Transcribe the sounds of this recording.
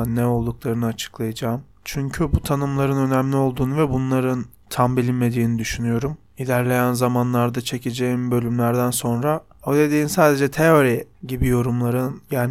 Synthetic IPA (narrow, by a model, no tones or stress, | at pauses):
nːɛo̞lˠd̪uklˠaɾɯnɯat͡ʃʰɯ̥klˠajad͡ʒaːm | t͡ʃʰyɲcʰybut̪ʰanɯmlˠaɾɯnø̞næmlʲio̞lˠd̪uːnuvɛbunlˠaɾɯn | t̪ʰambilʲinme̞d̪iːnid̪yʃynyjo̞ɾum | ilʲæɾlʲe̞jænzamanlˠaɾd̪at͡ʃʰe̞cʰed͡ʒejimbø̞lʲymlʲæɾd̪ænso̞nɾa | od̪e̞d̪iːinsaːd̪e̞d͡ʒɛt̪ʰejo̞ɾiɟibijo̞ɾumlˠaɾɯnjaːn